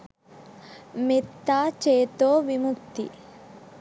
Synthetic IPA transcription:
mit̪ːaːt͡ʃeːt̪oːʋimukt̪ḭ

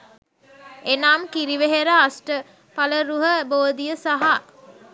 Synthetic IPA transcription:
enaːmkiɾiʋeɦeɾəasʈə | paləɾuɦəboːd̪ijəsaɦa

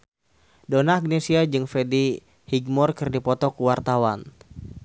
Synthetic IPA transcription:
donaːɡnesiad͡ʒɨŋfɛdi | hiɡmɔrkɨrdipɔt̪ɔkuwart̪awan

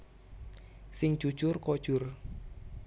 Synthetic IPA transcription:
sɪŋ̥ʒ̥u̥ʒ̥ʊrkod̥ʒ̥ʊr

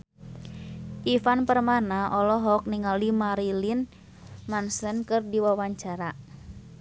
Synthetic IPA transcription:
ʔifanpərmanaʔɔlɔɦɔk̚niŋalimaɾilin | mansənkɨrdiwawaɲt͡ʃaɾa

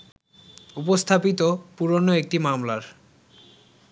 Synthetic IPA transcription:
upost̪ʰapit̪opuɾonoek̚ʈimamlaɾ

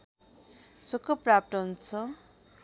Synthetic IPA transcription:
sokʌprap̚t̪ʌɦunt͡sʰʌ

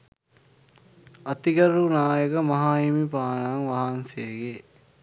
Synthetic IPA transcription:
ɐt̪iɡəɾunaːjəkəmɐɦaːimipaːnaːŋʋaɦanseɡe

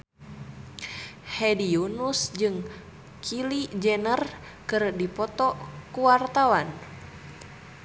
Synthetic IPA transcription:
hɛdiunusd͡ʒɨŋ | kʰilid͡ʒɛnər | kɨrdipɔt̪ɔkuwart̪awan

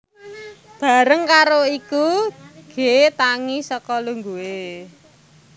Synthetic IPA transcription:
b̥a̤ɾəŋkaɾoikuɡ̥et̪aŋisɔkɔluŋɡuwe

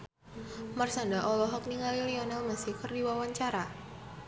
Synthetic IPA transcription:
marsandaʔɔlɔɦɔk̚niŋaliliɔnalmasɪhkərdiwawaɲt͡ʃaɾa

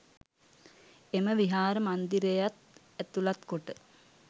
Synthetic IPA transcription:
eməʋiɦaːɾəmand̪iɾejat̪ | æt̪ulat̪koʈə

